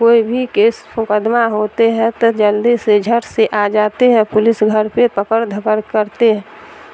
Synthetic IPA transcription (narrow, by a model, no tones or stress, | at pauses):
koːibʱikeːsmʊkəd̪maɦot̪eɦɛ̃t̪ɔd͡ʒəld̪ised͡ʒʱəɾseʔad͡ʒaːt̪eɦɛ̃pʊlɪsɡʱəɾpepəkəɾd̪ʱəkəɾkəɾt̪eɦɛ̃